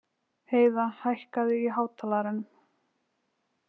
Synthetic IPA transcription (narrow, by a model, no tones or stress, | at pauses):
heːjðahajhkaðɪiɦaːwt̪ʰalaɾanʏm